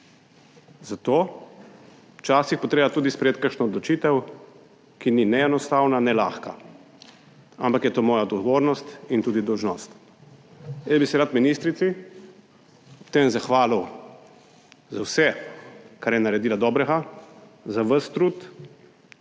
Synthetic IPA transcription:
zat̪oː | t͡ʃaːsixpɔt̪ɾeːbat̪uːd̪ispɾɛjeːt̪̚kəɾʃnɔɔd̪lɔt͡ʃiːt̪ɛw | kininɛɛnɔst̪aːwnanɛla̰ːxka | a̰mpakjɛt̪oːmɔːjaɔd̪ɡɔʋoːɾnɔst̪int̪uːd̪id̪ɔwʒnɔst̪ | jɛbisɛɾat̪minist̪ɾit̪si | ɔpt̪emzaxʋaːliw | zawsɛ | kaɾjɛnaɾɛd̪iːlad̪ɔbɾɛɡa | zaʋəst̪ɾut̪

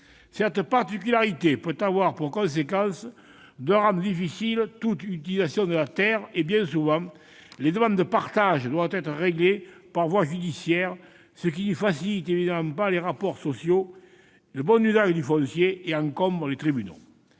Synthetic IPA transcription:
sɛʁt̪əpaʁt̪ikylaʁit̪epøt̪avwaʁpuʁkɔ̃s̬ekɑ̃s | d̪əʁɑ̃d̪əd̪ifisilt̪ut̪yt̪ilizasjɔ̃d̪əlat̪ɛʁebjɛ̃suvɑ̃ | led̪əmɑ̃nd̪d̪əpaʁt̪aʒəd̪wavət̪ɛt̪χəʁeɡlepaʁvwaʒyd̪isjɛʁ | sək̬inəfasilit̪evid̪amɑ̃mpaleʁapɔʁsɔsjo | ləbɔnyzaʒəd̪yfɔ̃sjeeɑ̃ŋkɔ̃mbʁəlet̪χibyno̰

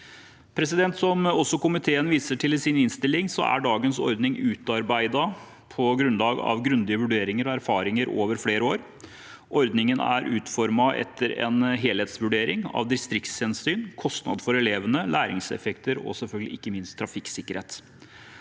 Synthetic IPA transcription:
pʰɾɛsɪd̪ɛnt̪sɔmɔsːɔkʊmɪt̪ʰeːənʋiːsəʈʰɪlsɪnɪnst̪ɪlɪŋsɔ̰æ̰ɖɑːɡənsɔ̰ɾd̪nɪŋʉːt̪ɑɾbæɪd̪ɑ | pʰɔɡɾʉnlɑːɡɑ̰ʋɡɾʉnd̪ɪəʋʉɖeːɾɪŋəɾɔæɾfɑːɾɪŋəɾo̰ːʋəɾfleːɾəoːɾ | ʔɔɾd̪nɪŋənæ̰ɾʔʉːt̪fɔɾmɑʔɛ̰t̪ʰːəɾɛ̰nɦeːlheːt̪sʋʉɖeːɾɪŋɑ̰ʋd̪ɪst̪ɾɪkt̪shɛnsyːnkʰɔst̪nɑ̰d̪fɔɾɛleːʋənəlʔæːɾɪ̰ŋsɛ̰fɛkt̪əɾɔ̰sɛlfœlɡəlɪʔɪkːəmɪnst̪ʰːɾɑfɪksɪkːəɾheːt̪

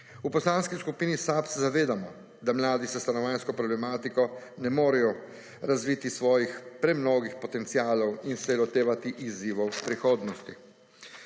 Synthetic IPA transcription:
upɔslanskiskupiːnisapsɛzaʋeːd̪amɔ | d̪amlaːd̪isɛst̪anɔʋaːnskɔpɾɔblɛmaːt̪ikɔnɛmoːɾɛjɔ | ɾazʋit̪isʋɔːjixpɾɛmnoːɡixpɔt̪ɛnt̪siaːlɔwinsɛlɔt̪eːʋat̪iʔiziːʋɔwpɾixoːd̪nɔst̪i

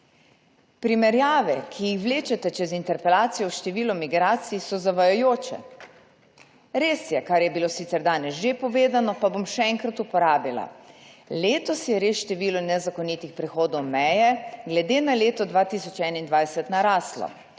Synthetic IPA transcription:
pɾimɛɾjaːʋɛkʰijixʋleːt͡ʃɛt̪ɛt͡ʃɛzint̪ɛɾpɛlaːt̪sijɔwʃt̪ɛʋiːlɔmiɡɾaːt̪sijsɔzaʋajɔjoːt͡ʃɛ̰ | ɾeːsjɛkaɾjɛbiloːsit̪sɛɾd̪aːnɛsʒepɔʋeːd̪anɔpabomʃɛɛŋkɾat̪upɔɾaːbila̰leːt̪ɔsjɛɾeːsʃt̪ɛʋiːlunɛzakɔniːt̪ixpɾɛxoːd̪ɔwmɛjɛɡlɛd̪eːnaleːt̪ɔd̪ʋaːt̪isɔt͡ʃɛnaind̪ʋajsɛt̪naɾaːslɔ̰

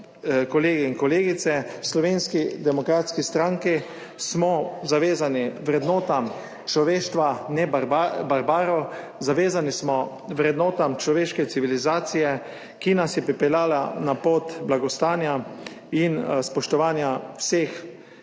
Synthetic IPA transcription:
kɔleːɡiinkɔleːɡit̪sɛslɔʋeːnskid̪ɛmɔkɾaːt̪skist̪ɾaːŋki | smɔzaʋeːzaniʋɾɛd̪nɔːt̪am | t͡ʃlɔʋeːʃt̪ʋanɛbaɾbaɾbaːɾɔ | zaʋeːzanismɔ | ʋɾɛd̪nɔːt̪amt͡ʃlɔʋeːʃkɛt̪siʋilizaːt̪sijɛ | kinasjɛpɾipɛlʲjaːlanapoːt̪blaɡɔst̪aːnja | inspɔʃt̪ɔʋaːnjawseːx

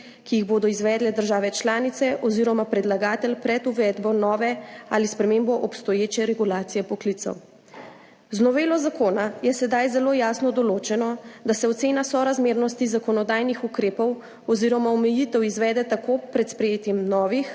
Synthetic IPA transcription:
kiiɣboːd̪ɔizʋɛːd̪lɛd̪əɾʒaːʋɛt͡ʃlaːnit̪sɛʔɔziːɾɔmapɾɛd̪laɡaːt̪ɛlpɾɛt̪uʋɛːd̪bɔnɔːʋɛa̰lispɾɛmeːmbɔʔɔpst̪ɔjeːt͡ʃɛɾɛɡulaːt̪sijɛpɔklit̪sɔ̰w | znɔʋeːlɔzakoːnajɛsɛd̪ajzɛloːjaːsnɔd̪ɔloːt͡ʃɛnɔd̪asɛɔt̪seːnasɔɾazmeːɾnɔst̪izakɔnɔd̪aːjnixukɾeːpɔw | ɔziɾɔmaɔmɛjit̪ɛwizʋɛːd̪ɛt̪akopɾɛt̪spɾɛjeːt̪jɛmnɔːʋix

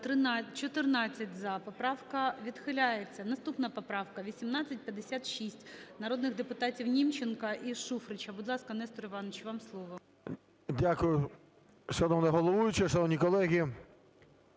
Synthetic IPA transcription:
t̪ɪt͡ʃɔt̪ɪrnɑt͡sʲːɐtʲzɐpɔpɾɑwkɐʋʲid̪xɪlʲajet͡sʲːɐnɐst̪upnɐpɔpɾɑwkɐʋʲisʲimnɑt͡sʲːɐt̚ʲpʲjɐd̪ːesʲat̪ʃisʲtʲnɐɾod̪nɪɣd̪epʊt̪ɑtʲiwnʲimt͡ʃɪnkɐʔiʃufɾɪt͡ʃɐbʊd̪lˠɑskɐnɛst̪ɔɾɪʋɑnɔt͡ʃʋɑmslˠɔʋɔ | dʲakʊjʊ | ʃɐnɔʋnɛɦɔlˠɔʋujʊt͡ʃɪʃɐnɔwnʲikɔlˠɛɦʲi

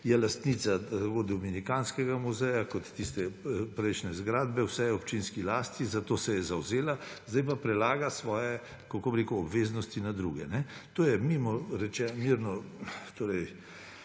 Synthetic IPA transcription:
jɛlast̪niːt̪sakod̪ɔminikaːnskɛɡamuzɛjakɔt̪ːist̪ɛpɾɛɪʃnɛzɡɾaːd̪bɛwsɛjɛɔpt͡ʃinskilaːst̪izat̪oːsɛjɛzawzeːlazd̪ajpapɾɛlaːɡasʋɔːjɛ | kakoːbɾeːkuɔbʋeːznɔst̪inad̪ɾṵːɡɛnɛt̪oːjɛmimɔɾɛt͡ʃɛmiɾnɔt̪oːɾɛj

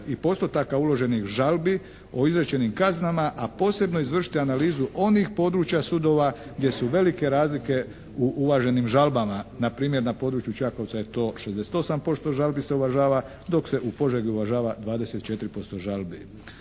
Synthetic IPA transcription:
ipo̞st̪ot̪akaulo̞ʒe̞nixʒalbi | o̞izɾet͡ɕe̞nimkaznamaʔapo̞ːse̞bno̞izʋr̩ʃi̥t̪ianaliːzuʔo̞nixpo̞d̪ɾuːt͡ɕjasud̪o̞ːʋaɡd̪je̞suʋe̞like̞ɾaːzlike̞ | uʔuʋaʒe̞nimʒalbamanapɾiːmje̞ɾnapo̞d̪ɾuːt͡ʃjut͡ʃako̞ʋt̪sajet̪o̞ːʃe̞zd̪ese̥t̪o̞sampo̞st̪o̞ʒalbise̞uʋaʒaːʋa | d̪o̞kse̞ʔupo̞ʒeɡiuʋaʒaːʋad̪ʋaːd̪e̞se̞t̪̚t͡ʃe̞t̪iɾipo̞st̪o̞ʒalbi

